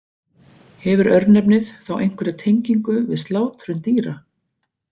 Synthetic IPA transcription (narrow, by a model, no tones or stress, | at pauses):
hɛvʏɾœɾt̪nɛpnɪθθawʔejŋ̥kʰvɛɾɪt̪ʰejɲciŋkʏvɪ̰ðst̪laːwt̪ɾʏnt̪iːɾa